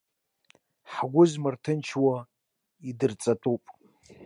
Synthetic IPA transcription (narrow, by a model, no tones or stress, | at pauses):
ħɡʷʊzmɨrtʰɨnt͡ʃʰwa | idɨrt͡sʼatʼupʼ